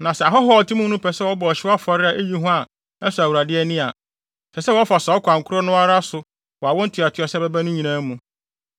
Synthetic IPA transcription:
nã˨sɛ˨a˨ɦɔ˦ɦɔ˦˨tʰĩ˦mũ˦nũ˦pʰɛ˨sɛ˦wɔ˦bɔ˨ɔ˨ɕɪ˦wɔ˦a˦fɔ˨ɾɪ˦a˨ʔe˦ji˦ɦʊ̃˦a˨ | ɛ˦sʊ˨a˨wu˨ɾa˨dɪ˦ɛ˦nɪ̃˦a̰˨ | sʰɛ˨sɛ˦wɔ˦fɔ˨sa˨˦ɔ˦kʰʷã˨ŋ˨kʰʊ˦ɾɔ˦nʊ̃˦a˦ɾa˦sʊ˨ | wɔ˨a˨wɔ̃˦n̩˦tʰɪ˨a˨tʰɪ˨˦ɔ˨sɛ˦bɛ˦bæ˦nʊ̃˦ɲĩ˨nã˦mũ˨

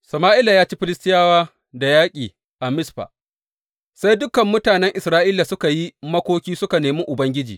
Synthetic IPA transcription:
sɐ˨maː˦ʔɪ˦la˨jaː˦t͡ʃiː˦ɸɪ˦lɪ˦stɪ˦jaː˦waː˦ | da˨jaː˦kʲʼiː˨ | ʔa˨mɪ˦sɸa̰ː˨ | sa˦jdʊ˦kɐ˨mːʊ˦taː˨nɛ˦ŋʔɪ˨sɾaː˦ʔiː˦la˨sʊ˦ka˨ji˦mɐ˦kʷoː˦kʲiː˦sʊ˦ka˨neː˨miː˦ʔʊ˨bɐ˦ŋɡʲɪ˦d͡ʒiː˨

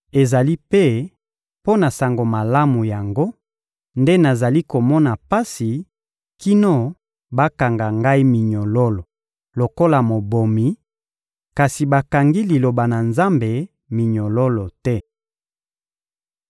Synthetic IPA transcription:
e˨za˨li˦pe˦ | po˦na˨sa˨ŋɡo˨ma˨la˦mu˨ja˨ŋɡo˦ | nde˦na˨za˨li˦ko˨mɔ˦na˨pa˦si˨ | ki˦no˦ | ba˦ka˨ŋɡa˨ŋɡa˦i˦mi˨ɲo˨lo˦lo˨ | lo˨ko˦la˨mo˨bo˨mi˨ | ka˨si˨ba˨ka˨ŋɡi˦li˨lo˨ba˨na˨nza˦mbe˨ | mi˨ɲo˨lo˦lo˨tɛ˦

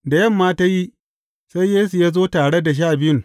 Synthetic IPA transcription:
da˨jɐ˦˨mːaː˦ta˦ji˦ | sa˦jjeː˦su˨jaː˦zoː˦taː˨ɽe˦da˨ʃ̬aː˦˨bɪ˦˨ŋ

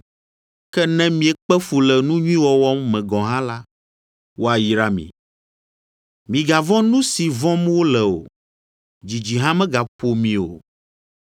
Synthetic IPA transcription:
kɛ˦nɛ̃˦mĩ˦ɛ˨k͡pɛ˦fu˨lɛ˨nũ˦ɲũ˦ĩ˦wɔ˨wɔ˦mːɛ̃˨ɡɔ̃˨ɦã˦la˦ | wo˦a˨ji˨ɾa˦mḭ̃˨ | mĩ˨ɡa˨vɔ̃˦nũ˦si˨vɔ̃˦m˦wo˦lɛ˨o̰˨ | d͡ʑi˨d͡ʑi˨ɦã˦mɛ̃˦ɡa˨po˨mĩ˨o̰˨

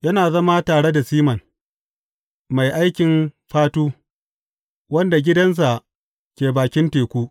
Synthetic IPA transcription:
jɐ˦naː˨zɐ˦ma˦taː˨ɽe˦da˨siː˦mɐ˨n | ma˨jʔa˦jkʲɪ˨mɸaː˦tuː˦ | wɐ˦nda˨ɡʲɪ˦dɐ˦ns̬a˨ | kʲeː˨baː˨kʲɪ˦nteː˨kʷuː˦ʔ

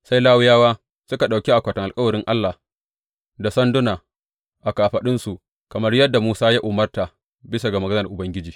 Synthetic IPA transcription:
sa˦jlaː˦wʊ˦jaː˦waː˦ | sʊ˦ka˨ɗa˨wkʲi˦ʔa˨kʷa˨tɐ˨ŋʔa˨lkʼɐ˦wɐ˨ɾɪ˦ŋʔa˦lːa˨ | da˨sɐ˦ndʊ˦naː˨ | ʔa˨kaː˨ɸɐ˨ɗɪ˦nsu˨ | kɐ˨mɐ˦rjɐ˦dːa˨muː˦saː˦jaː˦ʔʊ˨mɐ˦rta˨ | bɪ˦sa˨ɡa˨mɐ˨ɡɐ˦nɐ˨rʔʊ˨bɐ˦ŋɡʲɪ˦d͡ʒiː˨

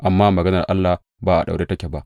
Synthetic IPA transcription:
ʔa˨mːaː˦mɐ˨ɡɐ˦nɐ˨rʔa˦lːa˨h | baː˨ʔa̰˨ɗa̰˨wɽeː˦tɐ˦kʲe˨ba˦ʔ

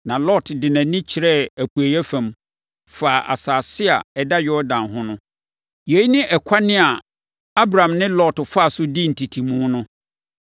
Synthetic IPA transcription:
nã˨lɔ˦˨tdɪ˨nã˨nĩ˦t͡ɕʰɪ˨ɾɛ˦æ˨pʰu˨æ˨jɛ˦fæ̃˨m | fa˨ʔa̰˨saː˨sɪ˦a˨ɛ˨da˦jɔ˦dã˨nɦʊ̃˦nʊ̃˦ | je˨˦i˦nɪ̃˦ʔɛ˨kʷʰa˦nɪ̃˦a˨ | a˦bɾã˨mnɪ̃˦lɔ˦˨tfa˦˨sʊ˦di˦n̩˨tʰi˨tʰi˨mũː˦nʊ̃˦

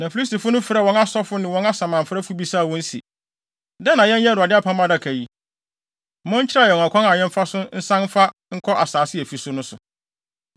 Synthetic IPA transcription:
nã˨fi˨˦li˦sti˨fʊ˦nʊ̃˦fɾɛ˦˨wɔ̃˦na˦sɔ˦fʊ˦nɪ̃˨wɔ̃˦na˦sã˨mã˨m̩˨fɾɛ˦fʊ˦bi˦saː˦˨wɔ̃˦n̩˦sḭ˨ | dɛ˦nã˨jɛ̃˦n˦ɛ̃˦ɾʊ˨a˨dɪ˦a˦pʰã˦mã˦da˦kʰæ˨ji˦˨ | mʊ̃˦ɲ̩˦t͡ɕʰɪ˦ɾa˦jɛ˨a˨kʰɔ̃˦na˨jɛ̃˦m̩˦fa˦sʊ˦n̩˦sã˦n̩˦fa˦ŋ̩˦kʰɔ˦ʔa˨saː˨sɪ˦ɛ˨fi˨sʊ˦nʊ̃˦sʊ˨

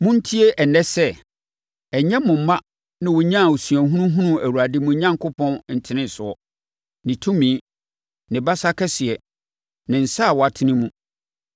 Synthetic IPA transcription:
mʊ̃˦n̩˦tʰi˦e˦ʔɛ˨nɛ˦sɛ˦ | ɛ˨ɲɛ̃˦mʊ̃˨m̩˨˦mã˦ | nɪ̃˦wʊ˨ɲã˦˨o˨sɥæ˨ɦũ˦nũ˦ɦũ˦nũ˦æ˨wu˨ɾa˨dɪ˦mʊ̃˨ɲã˦ŋkʊ˦pʰɔ̃˦nn̩˨tʰɪ˨nɪ̃˦n˨sʊ˨ɔ˦˨ | nɪ̃˨tʰũ˦mĩ˨˦ | nɪ̃˨ba˦sa˦kʰɛ˦sɪ˨ɛ˨ | nɪ̃˨n̩˨sa˦˨wɔ˨a˨tʰɪ̃˦nɪ̃˦mũ˦

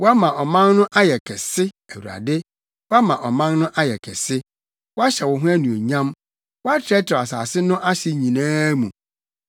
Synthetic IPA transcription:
wɔ˦a˦mã˨ʔɔ˨mã˦nnʊ̃˦ʔa˦jɛ˨kʰɛ˨sɪ˦ | æ˨wu˨ɾa̰˨dɪ˦ | wɔ˦a˦mã˨ʔɔ˨mã˦n˦nʊ̃˦ʔa˦jɛ˨kʰɛ˨sɪ˦ | wɔ˦a˦ɕɛ˨wɔ˨ɦʊ̃˦æ˦nũ˨o˨ɲã˦m | wɔ˦a˦tʰɪ˨ɾɛ˦tʰɪ˨ɾa˨sa̰ː˨sɪ˦nʊ̃˦ʔa˦ɕɪ˨ɲĩ˨nãː˦mũ˨

